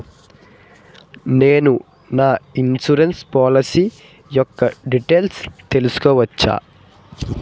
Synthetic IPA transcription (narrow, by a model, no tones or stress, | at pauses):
ne̞ːnu | naːinsuɾenspaːlɐsi | jɔkːɐɖiʈeːlst̪e̞lusu̥kɔːʋɐt͡ʃːa̰ː